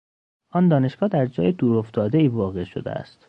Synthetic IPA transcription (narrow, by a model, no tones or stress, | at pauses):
ɒːnd̪ɒːne̞ʃɡ̥ɒːd̪æɾd͡ʒɒ̰ːjed̪uːɾoft̪ɒːd̪e̞iːvɒːɣe̞ʃod̪ḛæ̰st̪